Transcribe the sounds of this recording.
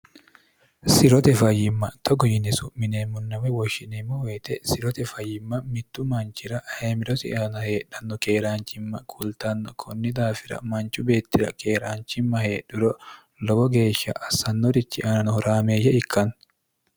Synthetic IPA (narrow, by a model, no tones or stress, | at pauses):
sɪɾɔt̪ɛfɐjɪmːɐt̪ʰɔɡɔjɪnɛsʊmɪneːmːʊnːɐwɛwɔʃːɪnɛmːɔweːt̪ɛsɪɾɔt̪ɛfɐjːɪmːɐmɪt̪ːʊmɐnt͡ʃɪɾɐheːmɪɾɔsɪ̰ʔɐnɐhe̞ːɗɐnːɔke̞ːɾaːnt͡ʃɪmːɐkʰʊlt̪ɐnːɔkʰɔnːɪd̪aːfɪɾɐ̰mɐnt͡ʃʊbe̞ːt̪ːɪɾɐ̰ke̞ːɾaːnt͡ʃɪmːɐhe̞ːɗʊɾɔ | lɔbɔɡe̞ːʃːɐ̰ʔɐsɐnːɔɾɪt͡ʃːɪʔɐnɐnɔɾaːmeːjːɛɪkːɐn